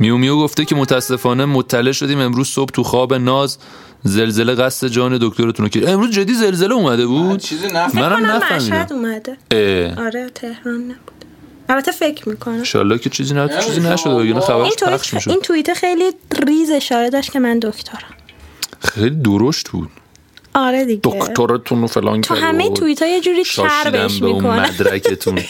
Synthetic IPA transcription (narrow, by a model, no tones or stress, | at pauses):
mijomijoɡoft̪ecʰemot̪ʰææsːe̞fɒːne̞mot̪ʰːæle̞ʔʃo̞d̪iːme̞mɾuːz̥sob̥t̪ʰuxɒːbe̞nɒːz | ze̞lze̞leɣæsːe̞d͡ʒɒːned̪okt̪ʰoɾt̪ʰunocʰeʃemɾuːzd͡ʒed̪ːiːze̞lze̞leuːmæd̪ebuːd̪mænæmnæmfæʃmih̪æd̪uːmæd̪eeɒɾet̪ʰe̞hɾɒːnːæb̥u̥d̪̥ | ælbæt̪ʰːefecʰɾmiːkʰonæʃɒ̰lːɒːkʰet͡ʃʰiziːnæut͡ʃʰiːzinæʃod̪ejenɛxæbæɾinʰæχʃmʃoint̪ʰuit̪ʰexejliriːze̞ʃɒːɾed̪ɒʃt̪cʰemænd̪okʰt̪ʰoɾæmxejlid̪oɾoʃt̪bṵːd̪̥̚ | ʔɒɾed̪iɟd̪ok̪ʰoɾet̪ʰunofelɒ̰ːnkt̪ʰuæ̰ɦæmej̪ʰuit̪ʰɒːjed͡ʒuːɾiːsɒæʃɾɾbd̪æmbmeiuknonmæ̰d̪ɾæ̰kʰet̪ʰun